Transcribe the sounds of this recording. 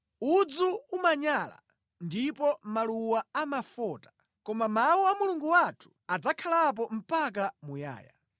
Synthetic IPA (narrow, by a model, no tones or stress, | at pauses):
ud͡zuumaɲala̰ | ndipɔmaluwaamafɔːtḁ | kɔmamawuamuluŋɡuwatʰu̥ad͡zakʰalap̬ɔm̩pak̬amuja̰ːja̰